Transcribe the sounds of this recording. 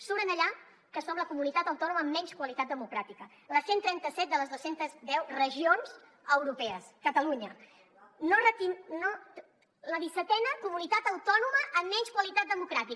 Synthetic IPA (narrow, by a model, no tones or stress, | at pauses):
suβɾənəʎa | kəsfɔmləkumunit̪at̪əwt̪ɔnuməːmːɛɲskwəlit̪at̪̚d̪əmukɾat̪ikə | ləsent̪ɾɛnt̪əsɛt̪̚d̪ələzðosent̪əzd̪ɛwrəʒionz | əwɾupɛəskət̪əluɲə | norət̪inno | ləðisət̪ɛnəkumunit̪at̪əwt̪ɔnuməʔːmːɛɲskwəlit̪at̪̚d̪əmukɾat̪ik